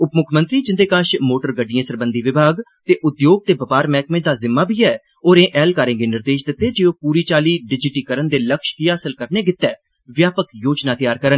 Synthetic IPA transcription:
ʊpmʊkʰmənt̪ɾiːd͡ʒɪnd̪eːkaːʃmoːʈəɾɡəɖijãːsəɾbənd̪iːʋɪbʱaːɡt̪eːʔʊd̪joːɡ̚t̪eːbəpaːɾmɛːkmẽːd̪aːzɪmːaːbʱiːɛː | oːɾẽːʔɛːlkaːɾẽːɡeːnɪɾd̪eːʃd̪ɪt̪ːeːd͡ʒeːoːpuːɾiːt͡ʃaːliːɖɪd͡ʒɪʈiːkəɾənd̪eːləkʃkiaːsəlkəɾneːɡɪt̪ːɛː | ʋjaːpəkjoːd͡ʒnaːt̪ɪjaːɾkəɾən

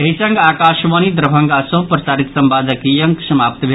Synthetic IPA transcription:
eɦisə̃ŋɡaːkaʃʋənid̪ɾəbʱə̃ŋɡasə̃ɦpɾɐsaːɾit̪sɐmbaːd̪əkijəŋksɐmapt̪bʱe

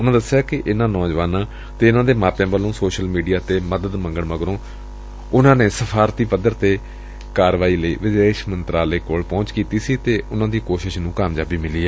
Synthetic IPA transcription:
ʊnãːd̪əsːejaːkɪʔɪnãːnɔːd͡ʒʋaːnãː | t̪eːɪnãːd̪eːmaːpjãːʋəlõːsoːʃəlmiːɖijaːt̪eːməd̪əd̪mə̃ŋɡəɳməɡɾõː | ʊnãːneːsəpʰaːɾt̪iːpəd̪əɾt̪eː | kaːɾʋaːiːləḭːʋɪd̪eːʃmənt̪ɾaːleːkoːlpɔ̃ːt͡ʃkiːt̪iːsiːt̪eːʊnãːd̪iːkoːʃɪʃnũːkaːmd͡ʒaːbiːmɪliːɛː

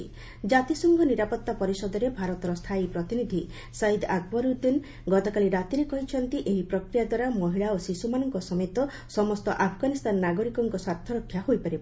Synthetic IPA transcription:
i | d͡ʒat̪isɔŋɡɔniɾapɔt̪ːapɔɾisɔd̪ɔɾebʱaɾɔt̪ɔɾɔst̪ʰaipɾɔt̪inid̪ʱi | said̪ak̚bɔɾuɾd̪in | ɡɔt̪ɔkaliɾat̪iɾekɔɦit͡ʃʰɔnt̪iʔeɦipɾɔkɾijad̪waɾamɔɦiɭaosisumanɔŋkɔsɔmet̪ɔ | sɔmɔst̪ɔʔapʰɡanist̪anɔːaɡɔɾikɔŋkɔswaɾt̪ʰɔɾɔkʰːjahojpaɾib

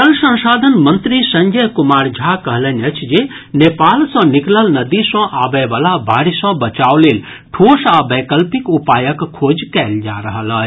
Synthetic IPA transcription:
t̪əlsə̃nsaːd̪ʱənmənt̪ɾisə̃ŋɡəjkumaːɾd͡ʒʱakəɦlənət͡ʃʰd͡ʒe | nepaːlsɔ̃nikləlnəd̪isɔ̃ʔaːbɛʋaːlabʱaːɽisɔ̃bət͡ʃaːwlel | ʈʰoːsabɛːkəlpikupaːjəkʰːoːd͡ʒkɛːld͡ʒa̰ːɾəɦələː

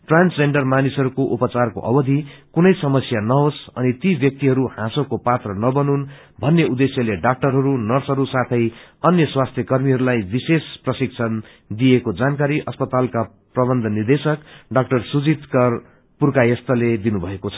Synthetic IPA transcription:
ʈransd͡zeɳɖʌrmanisɦʌɾukoʔupʌt͡sarko̰ʔʌ̰bʌd̪ʱikunʌjsʌmʌsjanʌɦosʌnit̪ibjʌk̚t̪iɦʌɾuhãsokopat̪rʌnʌbʌnun | bʱʌnːeud̪esjʌleɖak̚ʈʌrɦʌɾunʌrsɦʌɾusat̪ʰʌjʌnjʌswast̪ʰjʌkʌrmiɦʌɾulajbisesprʌsik̚t͡sʰʌn | d̪iekod͡zankaɾiʔʌspʌt̪alka | prʌbʌnd̪ʱʌnird̪esʌkɖak̚ʈʌrsud͡zit̪kʌr | purkajʌst̪ʌled̪inubʱʌekot͡sʰʌ̥

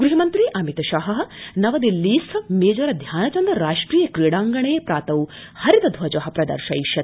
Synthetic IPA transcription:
ɡɾuɦimɐnt̪ɾiʔɐmit̪ɐʃaːɦɐɦɐ̆nɐʋɐd̪ilːiːsɐmeːd͡ʒɐɾɐd̪ʱjaːnɐt͡ʃɐnd̪ɾɐɾaːʂʈɾiːjɐkɾijɽaːŋɡɐɳeːpɾaːt̪ɐw | hɐɾid̪ɐd̪ʱʋɐd͡ʒɐɦɐpɾɐd̪ɐ̰ɾʃɐ̰jʃjɐt̪

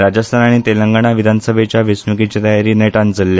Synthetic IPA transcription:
ɾad͡ʑəst̪ʰanaɽ̃it̪eləŋɡaɽ̃aʋid̪ʱanəsəbʱet͡ɕjaʋesmukit͡ɕet̪ajaɾineʈãnd͡zəlːja

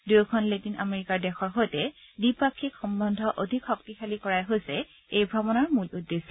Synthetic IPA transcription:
dujkʰɔnletinʔa̰meɹikaɹdɛxɔɹɦojtɛdipakʰːikxɔmbɔndʱɔʔodʱikʰːɔktixʰalikɔɹajɦojsɛ | ejbʱɹɔbɔnaɹmuludːesɔ

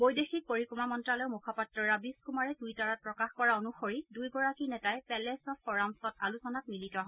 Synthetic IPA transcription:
bojdexik̚poɹikumamɔntɹalɔjmukʰapatɹɔɹabiskumaɹɛdujtaɹat̚pɹɔkaxkɔɹaonuxoɹidujɡɔɹakinɛtajpɛlɛsɔfɔɹamsɔtalusɔnak̚militɔɦɔ

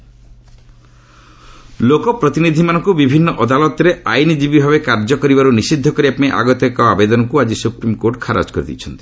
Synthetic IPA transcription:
lokɔpɾɔt̪inid̪ʱimanɔŋkubibʱinːɔʔɔd̪alɔt̪ɾeʔajnid͡ʒibibʱabekaɾd͡ʒɔkɔɾibaɾunisid̪ʱːɔkɔɾiapneʔa̰ɡɔt̪jɔkɔabed̪ɔnɔŋkuad͡ʒisupɾimkoɾʈkʰaɾa̰d͡ʒkɔɾid̪ḭt͡ʃʰɔnt̪i̥

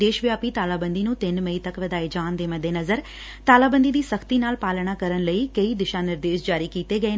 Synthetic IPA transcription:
d̪eːʃʋjaːpiːt̪aːlaːbə̃nd̪inũːt̪ɪnməit̪ɐkʋəd̪aːed͡ʒaːnd̪eːmɐd̪ʱːeːnɐzəɾ | t̪aːlaːbə̃nd̪iːd̪iːsəkʰt̪iːnaːlpaːlɽ̃aːkəɾəɳ̃ləiːkəid̪ɪʃãːnɪɾd̪eːʃd͡ʒaːɾiːkiːt̪eɡəeː

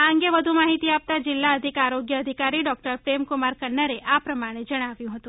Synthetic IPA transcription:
aəŋɡeʋəd̪ʱumaɦit̪iap̚t̪ad͡ʒɪlːaəd̪ʱikaɾoɡjəəd̪ʱikaɾiɖɔk̚ʈəɾpɾemkumaɾkənːəɾeʔapɾəmaɽ̃ed͡ʒəɽ̃aʋjũɦət̪ũ

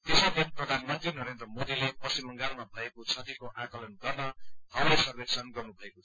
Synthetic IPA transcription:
t̪esʌkʰet̪prʌd̪ʱanmʌnt̪rinʌɾend̪rʌmod̪ilepʌsimʌŋɡarmabʱʌekot͡sʰʌt̪ikoʔakʌlʌnɡʌrnʌɦ̪ʌwlesʌrbeksʌnɡʌrnubʱʌeko

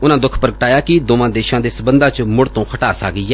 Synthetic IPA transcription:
ʊnãːd̪ʊkʰpəɾɡəʈaːjaːkɪd̪oːʋãːd̪eːʃãːd̪eːsəbənd̪ãːt͡ʃmʊɽt̪õːkʰəʈaːsa̰ːkiːɛː

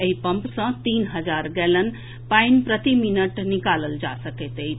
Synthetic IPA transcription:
eipəmpsə̃t̪iːnɦəd͡zaɾɡɛlən | painpɾət̪iminəʈnikaləld͡ʒasəket̪əj

